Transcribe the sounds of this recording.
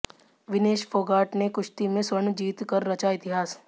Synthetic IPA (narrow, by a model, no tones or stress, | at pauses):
ʋɪneːʃfʰoːɡaːʈnekʊʃt̪imẽsɐɳd͡ʒiːt̪kɐɾːɐt͡ʃaɪt̪ɪɦaːs